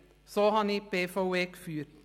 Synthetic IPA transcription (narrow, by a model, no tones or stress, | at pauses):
soːhɑniːpeːfɑʊeːkfyːɾ